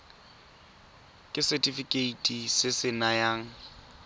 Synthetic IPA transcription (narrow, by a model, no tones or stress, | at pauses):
kʼɪsɛtʼifikʼeitʼisɪsɪnajaːŋ̩